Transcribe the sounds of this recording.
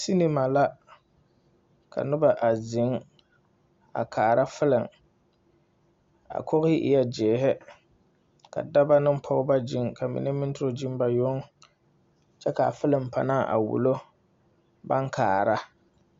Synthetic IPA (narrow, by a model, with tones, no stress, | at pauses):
si˦ni˦ma˨la˦ | kʰa̰˨nʊ˦ba˨ʔa˨zɪ˨˦ŋ | a̰˨kʰaː˨ɾa˦fɪ˦lɪ˨ŋ | a̰˨kʰɔ˦ɣɪ˦ʔɪ˦ja˦d͡ʒɛː˨ɦɛ˦ | ka̰˨da˦ba˦nɨ˦m˦pʰɔ˦ɣba˦d͡ʒi˦ŋka˨mḭ˨nɛ˦mɪ˦n˦tʊ˦ɾo˦d͡ʒi˦m˦ba˨jo˦ŋ | t͡ʃɛ˦ka˨fɪ˦lɨ˨m˨pa˨naː˦˨ʔa̰˨wṵ˨lo˦ | ba˦ŋkʰa̰ː˨ɾa˦